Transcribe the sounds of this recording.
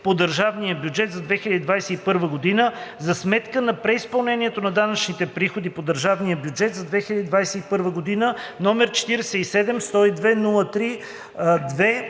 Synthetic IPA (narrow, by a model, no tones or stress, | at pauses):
pod̪əɾʒavnijəbjud͡ʒɛt̪zɐd̪vɛxilʲəd̪ʲid̪vajsɛipɤɾvəɡod̪inəzɐsmɛt̪kənɐpɾɛispɐlˠnɛniɛt̪onɐd̪anət͡ʃnit̪ɛpɾixod̪ipod̪əɾʒavnijəbjud͡ʒɛt̪zɐd̪vɛxilʲəd̪ʲid̪vajsɛipɤɾvəɡod̪inənɔmɛɾt͡ʃɛ̥t̪iɾɛsɛisɛd̪ɛmst̪ɔid̪vɛnulˠət̪ɾi | d̪vɛ